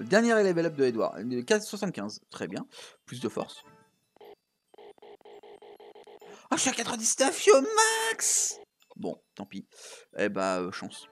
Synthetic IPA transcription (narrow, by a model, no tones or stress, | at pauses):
əd̪ɛʁnjɛʁɛlevɛlɔp̚d̪əed̪wa̰ʁkaswasɑ̃t̪̚kʲɛ̃zt̪χɛbjɛ̃plys̬d̪əfɔ̰ʁs | aʃakat̪χəd̪isɛ̥t̪afjomaks | bɔ̰̃t̪ɑ̃piɛ̰baøʃɑ̰̃s